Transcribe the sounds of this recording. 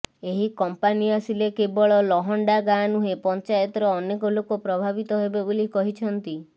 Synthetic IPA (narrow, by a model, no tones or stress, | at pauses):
eɦikɔmpaniasilekebɔɭɔlɔɦɔɳɖaɡanuɦepɔnt͡ʃajɔt̪ɔɾɔːnekɔlokɔpɾɔbʱabit̪ɔɦebebolikɔɦit͡ʃʰɔnt̪i